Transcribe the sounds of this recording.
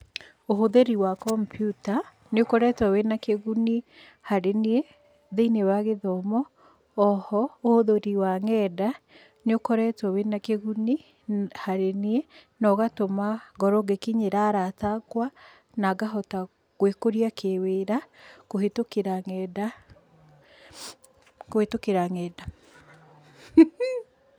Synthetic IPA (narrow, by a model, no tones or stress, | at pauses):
oɦoðeɾiwakɔmpʰjuta | neokɔɾɛtwawenakeɣuni | haɾenie | ðeinewaɣeðɔmɔː | hɔohoðoɾiwaŋɛda | neokɔɾɛtwawenakeɣuni | haɾenie | nɔɣatomaɡɔɾɔɡekiɲeɾaɾataɡwa | naɡaɦɔta | ɣwekoɾiakʰeweɾakohetokeɾaŋɛda | kohetokeɾaŋɛda